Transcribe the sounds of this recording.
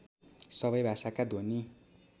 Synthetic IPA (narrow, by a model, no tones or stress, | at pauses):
sʌβʌjbʱasakad̪ʱoni